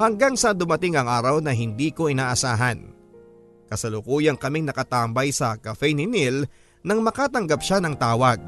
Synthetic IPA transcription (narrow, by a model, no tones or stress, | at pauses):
hɐŋɡaŋsɐd̪ʊmɐt̪ɪŋɐŋʔaːɾɐwnɐɦɪnd̪iːko̞ɪnaːʔɐsaːɦɐn | kɐsɐlʊkuːjɐŋkɐmɪŋnɐkɐt̪aːmbɐjsɐkɐfɛnɪnil | nɐŋmɐkaːt̪ɐŋɡɐp̚ʃanɐŋt̪aːwɐɡ̚